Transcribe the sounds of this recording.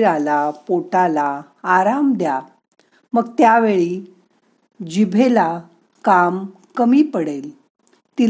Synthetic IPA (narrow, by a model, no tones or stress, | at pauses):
ɾalapoʈalaː | ɾamd̪ja | məɡt̪jaʋeɭiː | d͡ʑibʱela | kam | kəmiːpəɽel | t̪i